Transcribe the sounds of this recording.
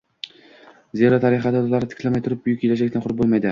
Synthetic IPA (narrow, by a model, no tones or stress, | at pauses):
zeɾat̪ʰɑɾiχɑd̪ad̪olˠɑɾt̪ʰɪ̥kʲlæmajt̪ʰʊɾɪp̚byjykʲʰːelæd͡ʒɛk̚ʲt̪ʰɪnqʰʊɾpbolˠmɑjd̪ɪ